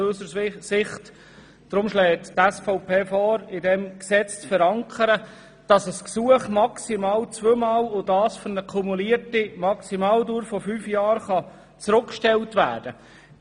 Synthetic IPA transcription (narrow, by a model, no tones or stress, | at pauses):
øsəsɪχt | d̥ɾʊmʃlɛːttæsfɔʊpeːfɔːɾɪdɛmksɛt͡st͡sfɛɾɑŋkʰəɾə | d̥ɑsəsksuəχmɑksimɑːlt͡sʋøːmɑːlʊdɑːsfɔnəkʰumuliəɾtimɑksimɑːldʊːɾfɔfyːfjɑːɾχɑ | t͡sɾʊkʃtɛltʋæ̰ːɾd̥ə